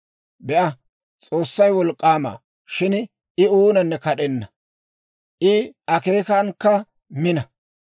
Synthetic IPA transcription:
bɛʔɐ | t͡sʼo̞ːsːɐjwɔlkʼːaːma̰ː | ʃɪn | ɪuːnɐnːɛkɐɗɛnːɐ | ʔɪʔɐke̞ːkɐnkːɐ | mɪnɐ

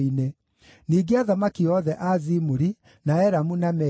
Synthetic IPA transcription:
ine | niːɡeaðamakiɔðɛʔazimuɾi | naɛɾamunamɛ

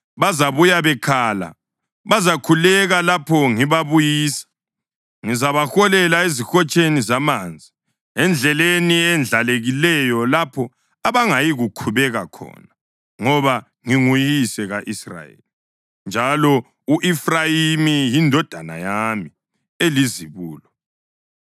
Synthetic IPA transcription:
βazaβujaβɛkʰala̰ | βazakʰulɛɣalapʰɔŋiβaβujiːsḁ | ŋizaβaxɔlɛlaezixɔt͡ʃʼenizamaːnd͡zʱi | ɛnd͡ɮʱɛleniɛnd͡ɮʱaleɣilɛjɔlapʰɔ | aβaŋajiɣukʰuβɛɣakʰɔ̰na | ŋɔβa | ŋiŋujisɛɣaʔisra̰jḛli | nd͡ʒʱalɔ | uʔifrajimijindʱɔd̥ʱana̰jami | eliziβuːlɔ

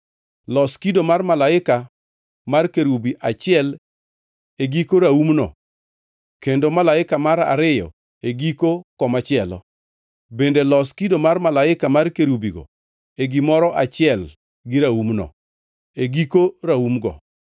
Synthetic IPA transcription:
lɔskidomarmalaɪka | markeɾubiʔat͡ʃɪɛl | eɡikoɾaumnɔ̰ | kendomalaɪkamaɾa̰ɾɪjɔ̰ | eɡikokɔmat͡ʃɪɛlɔ̰ | bendelɔskidomarmalaɪkamarkeɾubiɡɔ̰ | eɡimɔɾɔʔat͡ʃɪɛl | ɡɪɾaumnɔ̰ | eɡikoɾaumɡɔ̰

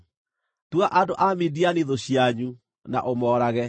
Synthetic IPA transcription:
twaʔadoʔamedianeðoɕjaɲu | na̰ʔomɔːɾaɣɛ

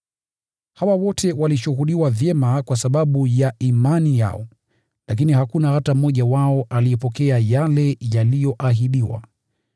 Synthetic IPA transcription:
hawawɔtʰɛwaliʃuhuɗiwavjɛmakwasaɓaɓujaimanija̰ɔ | lak̬inihakunahatamɔʄawaɔʔalijɔpɔkɛajalɛjalijɔʔaɦiɗiwa̰

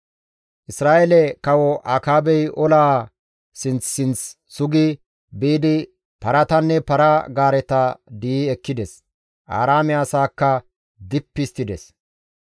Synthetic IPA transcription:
ʔɪsɾaːʔɛlɛkɐwɔʔaːkaːbɛjʔɔlaː | sɪnt͡sːɪnt͡sː | ʊɡɪ | biːd̪ɪ | pɐɾɐt̪ɐnːɛpɐɾɐɡaːɾɛt̪ɐd̪iiɛkːɪd̪ɛs | ʔa̰ːɾaːmɪaːsaːkːɐ | d̪ɪpːɪst̪ːɪd̪ɛs

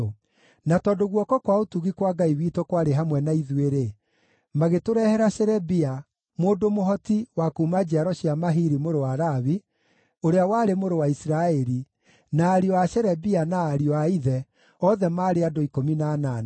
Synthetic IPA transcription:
natɔdoɣwɔkɔkwaotuɣikwaɡaiwiːtokwaɾeɦamwɛnaiðweɾe | maɣetoɾɛhɛɾaʃɛɾɛbia | moːdomoɦɔtiwakuːmad͡ʒaɾɔɕjamaɦiɾimoɾowaɾaβi | oɾeawaːɾemoɾowaisiɾaɛɾi | naːɾiɔaʃɛɾɛbianaːɾiɔaiðɛ | ɔðɛmaːɾeadoikominanan

